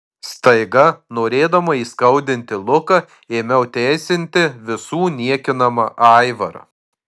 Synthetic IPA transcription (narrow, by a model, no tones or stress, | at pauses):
st̪ɐɪɡɐnoːɾʲeːd̪ɐmɐiːskɐʊd̪ʲɪnʲt̪ʲɪlˠʊkɐ | eːmʲɛʊt̪ʲɛːsʲɪnʲt̪ʲɪʋʲɪsuːnʲiɛkʲɪnɐmɐʔɑˑɪʋɐɾɐ̰